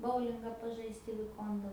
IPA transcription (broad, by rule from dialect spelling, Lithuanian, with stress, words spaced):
ˈboːʊlʲɪŋɡɑː pɐˈʒɐɪst ɪ ʋʲɪˈkoːndɐ